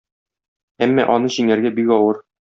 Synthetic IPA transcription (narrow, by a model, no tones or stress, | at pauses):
æmːɒ̰ʔɒnɤʑiŋæɾɡæbikɒwɤɾ